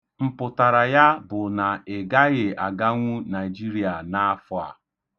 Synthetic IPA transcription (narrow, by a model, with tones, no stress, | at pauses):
m̩˨pʊ˨ta˨ɾa˨ja˦bʊ˨na˨e˨ɡa˦ɣɪ˨a˨ɡa˦ŋʷu˦na˨ɪ˨d͡ʒi˦ɾi˦a˨na˦fʊ˦a̰˨